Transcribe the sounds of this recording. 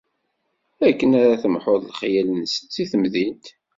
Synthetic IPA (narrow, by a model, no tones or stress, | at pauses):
ækːənæɾaθəmħoðˤlχjælənsənθiθəmðint̪